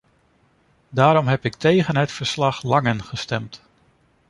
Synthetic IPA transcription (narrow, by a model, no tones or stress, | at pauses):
daːɾɔmɦɛpɪk̚tejχənɦətfəɹslɑχlɑŋənχəstɛmt